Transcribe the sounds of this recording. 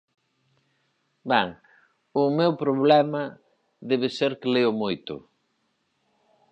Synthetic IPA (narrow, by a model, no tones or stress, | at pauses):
bɛŋ | ʊmewpɾoβ̞lɛmɐ | ðɛβeseɾkleʊmojt̪ʊ̰